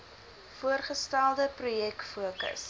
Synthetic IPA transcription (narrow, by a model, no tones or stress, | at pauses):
fuərχəstælˠdəprujɛkfuəkə̰s